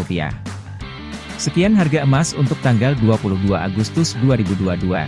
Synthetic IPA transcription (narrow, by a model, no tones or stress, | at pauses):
upia̰ | səkianɦarɡaəmasunt̪ʊk̚t̪aŋɡalduapulʊhduaʔaɡust̪ʊsduaɾibuduadua̰